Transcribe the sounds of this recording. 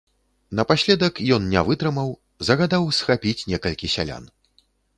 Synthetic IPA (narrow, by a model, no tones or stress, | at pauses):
nɐpasʲlʲɛd̪ɐkjɔnnʲɛvɨt̪ɾɨmɐw | zɐɣad̪awsxapʲit͡sʲnʲɛkɐlʲkʲisʲalʲa̰n